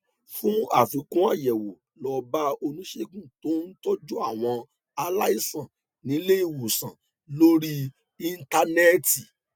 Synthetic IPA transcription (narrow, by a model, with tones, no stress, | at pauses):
fũ˦a̰˦˨fi˨˦kũ˦a˦˨jɛ˨wo˨ | lɔ˧ba˦o˧nũ˨˦ʃe˦˨kũ˦˨to˨˦n̩˦to˦d͡ʒu˦a˦˨w̃ɔ̃˧ | a˧la˦i˦˨sã˨ | nĩ˨˦le˦i˦˨wu˨sã˨ | lo˦ɾi˦ | i˧n̩˦ta˧nɛ˦ti˨